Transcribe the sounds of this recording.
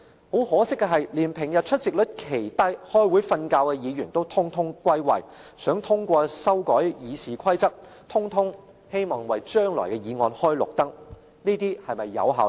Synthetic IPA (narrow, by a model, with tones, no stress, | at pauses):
ho˨˥whɔː˨˥sɪ˥kːɛ˧ɦɐ˨jliː˨˩npʰɪ˨˩ŋjɐ˨t̚t͡ʃʰɵ˥t̚t͡sɪ˨k̚lɵ˨˥t̚kʰe˨˩jt̪ɐ˥jhɔː˥jwuː˨˥jfɐ˧nkaː˧wkɛ˧jiː˨˧jyː˨˩nt̪o˥wt̪ʰʊ˥ŋt̪ʰʊ˥ŋkʷɐ˥jwɐ̰˨jsœː˨˥ŋt̪ʰʊ˥ŋkʷɔː˧sɐ˥wkɔː˨˥jjiː˨˧siː˨˩kʷʰɐ˥jt͡sɐ˥k̚ | t̪ʰʊ˥ŋt̪ʰʊ˥ŋ | he˥jmɔː˨˩ŋwɐ˨jt͡ʃœː˥ŋlɔ̰ː˨˩jkɛ˧jiː˨˧ŋɔː˧nhɔː˥jlʊ̰˨k̚t̪ɐ˥ŋ̚ | niː˥t̪iː˥hɐ˨jmɐ˨jːɐ̰˨˧wɦaː˨